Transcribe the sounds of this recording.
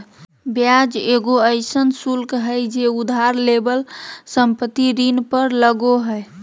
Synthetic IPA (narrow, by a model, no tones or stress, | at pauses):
bjad͡ʒeɡoəɪsənsulkɦəjd͡ʒeud̪ʱaɾlebəlsəmpət̪iɾinpəɾləɡoɦəj